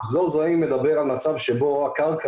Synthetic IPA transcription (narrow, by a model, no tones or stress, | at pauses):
χzozaimed̪abeʁalmat͡savʃɛboakalkʰa